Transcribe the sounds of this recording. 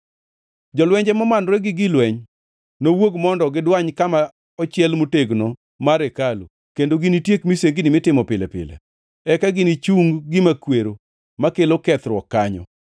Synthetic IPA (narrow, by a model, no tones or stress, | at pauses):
d͡ʒɔlwɛɲd͡ʒɛmɔmanɾɛɡɪɡɪlwɛɲ | nowoɡmɔndɔɡɪdwaɲkama | ɔt͡ʃɪɛlmoteɡno | maɾekalo | kendoɡɪnitjekmiseɡɪnɪmɪtɪmɔpɪlɛpɪ̰lɛ̰ | ɛkaɡɪnit͡ʃuŋɡɪmakweɾo | makelokɛt̪ɾwɔkːaɲɔ̰